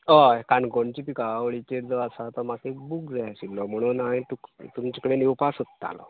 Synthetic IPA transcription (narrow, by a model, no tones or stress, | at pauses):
əkanɡoɳt͡ɕipikaʋəɭit͡ɕeɾd͡zəəsat̪əmakebukd͡zajɕillɔm̤əɽ̃unajt̪ukt̪umt͡ɕekəɽenewpasət̪t̪a̰lɔ̰